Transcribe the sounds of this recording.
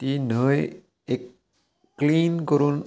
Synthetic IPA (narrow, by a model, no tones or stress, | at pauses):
t̪inəj | ekː | linkɔɾun